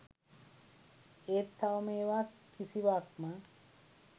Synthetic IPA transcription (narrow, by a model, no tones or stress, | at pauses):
eːt̪ʰːawmeːʋakʰːisiʋak̚mə